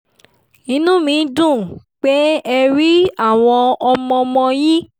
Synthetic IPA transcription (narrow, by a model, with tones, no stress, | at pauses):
nĩ˦nũ˦mĩ˨˧˦dũ˦˨ | k͡pe˦ɛ˧ɾi˦a˦˨w̃ɔ̃˧ɔ˧mɔ̃˧mɔ̃˧ji˦